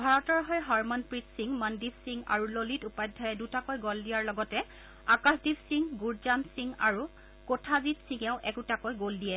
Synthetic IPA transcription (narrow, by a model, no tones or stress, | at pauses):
bʱaɹɔtɔɹɦɔjɦaɹmɔnpɹitsiŋmandibsiŋa̰ɹulolitupajdʱɔjɛdutakojɡɔldijaɹlɔɡɔtɛ | akasdibsiŋɡuɹzansiŋa̰ɹu | kotʰazitsiŋɛʊ̃ʔɛkutakojɡoldijɛ